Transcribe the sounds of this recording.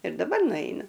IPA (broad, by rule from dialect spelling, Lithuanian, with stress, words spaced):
ɪr dɐˈbɐr nʊˈɐɪnʊ